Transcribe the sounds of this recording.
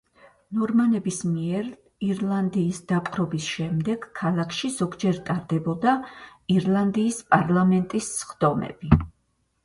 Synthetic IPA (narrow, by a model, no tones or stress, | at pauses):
nɔɾmanɛbismiɛɾ | iɾlˠand̪iːsd̪̥apʼqʰʼɾɔbisʃɛmd̪ɛɡ̥kʰːalˠakʰʃizɔɡd͡ʒɛɾt̪ʼaɾd̪ɛbɔd̪aiɾlˠand̪iːspʼaɾlˠamɛnt̪ʼisːχd̪̥ɔmɛ̰b̥i